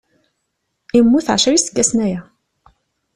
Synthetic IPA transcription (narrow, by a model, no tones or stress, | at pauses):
imːuθʕʃɾisə̥ɡːæsnæjæ